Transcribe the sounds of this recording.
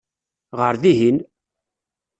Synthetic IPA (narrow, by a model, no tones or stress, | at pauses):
ʁəɾðiɦin